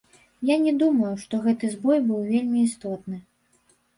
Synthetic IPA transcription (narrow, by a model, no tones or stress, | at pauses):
janʲɛd̪umɐjuʂt̪ɔɣɛt̪ɨzbɔjbɨwvʲelʲmʲiːst̪ɔt̪nɨ